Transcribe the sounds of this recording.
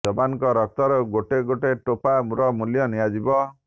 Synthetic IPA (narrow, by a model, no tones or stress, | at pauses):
d͡ʒɔbanɔŋkɔɾɔk̚t̪ɔɾɔɡoʈeɡoʈeʈopamuɾɔmuljɔniad͡ʒibɔ